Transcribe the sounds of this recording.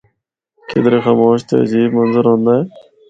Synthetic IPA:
kɪ̰d̪ɾeːxaːmoːʃt̪ʰḛːziːbmənzəɾɦõːnd̪ae

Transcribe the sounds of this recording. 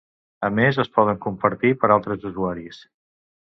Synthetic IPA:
əmezəspɔðəŋkumpəɾt̪ipəɾalˠt̪ɾəzuzuaɾis

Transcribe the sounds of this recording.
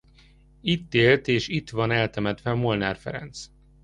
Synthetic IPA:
it̪ːeːlt̪eːʃit̪ʋɒnɛlt̪ɛmɛt̪ʋɛɒmolnaːrfɛ̰ɾɛ̰nt̪s

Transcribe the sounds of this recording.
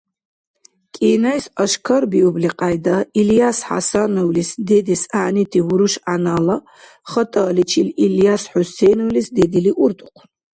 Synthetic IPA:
kʼiːnasɐʃkʰɐɾbiubliqʼajd̪ailjasħa̰sanɔwlisd̪ɛd̪isaʕnit̪ʰiwuɾuʃanaːla | χɐt̪ʼaːlit͡ʃʰililjasħusɛjnɔwlisd̪ɛd̪iliʔuɾt̪ʼuqʷʰ

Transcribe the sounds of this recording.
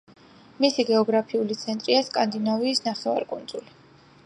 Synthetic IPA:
misiɡɛɔɡɾapʰiulit̪sʰɛnt̪ʼɾiaskʼand̪inaviːsnaχɛva̰ɾkʼund̪z̥uli

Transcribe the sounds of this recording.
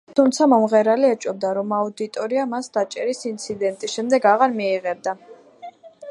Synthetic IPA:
t̪ʰumt̪sʰamɔmʁɛɾaliɛt͡ʃʼɔb̚d̪aɾɔmaud̪it̪ʼɔɾiamasd̪̥at͡ʃʼɛɾisint̪sʰid̪ɛnt̪ʼisʃɛmd̪ɛɡaʁaɾmiːʁɛb̚d̪a

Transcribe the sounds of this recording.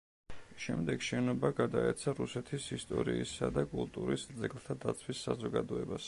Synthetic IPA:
ʃɛmd̪ɛɡʃɛnɔbaɡad̪aɛt̪sʰaɾusɛt̪ʰisist̪ʼɔɾisad̪akʼulˠt̪ʼuɾisd̪zɛɡlˠt̪ʰad̪at̪sʰwisːazɔɡad̪ɔɛbas

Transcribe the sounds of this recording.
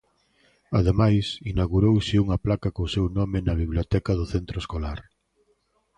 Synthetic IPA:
ɐðemajsinaɣuɾowsɪuŋɐplakɐkosewnomɪnɐβiβljot̪ɛkɐðʊθent̪ɾoeskolaɾ

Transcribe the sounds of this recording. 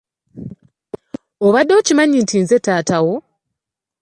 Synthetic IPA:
oβadːo̞ːcimaɲintʰinze̞taːtawo

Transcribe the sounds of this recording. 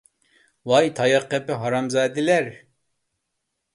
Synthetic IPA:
wɑjt̪ʰɑjɑqːɛpɪɦɑɾɑmzɑːd̪ɪlɛɾ

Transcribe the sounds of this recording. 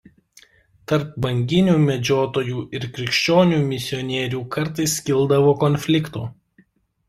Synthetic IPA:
t̪ɐɾp̚bɐŋʲɡʲɪnʲuːmʲɛd͡ʒʲoːt̪oːjuːʔɪɾkʲɾʲɪkʃʲt͡ʃʲoːnʲuːmʲɪsʲɪɔnʲeːɾʲuːkɐɾt̪ɐɪskʲɪlˠd̪ɐʋoːkɔnʲfʲlʲɪkt̪ṵː

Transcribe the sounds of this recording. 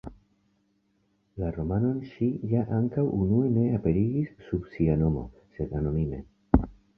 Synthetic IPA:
laɾo̞mano̞nʃijaʔaŋkawunue̞ne̞ape̞ɾiɡisːubsiano̞mo̞̰se̞d̪ano̞mime̞̰

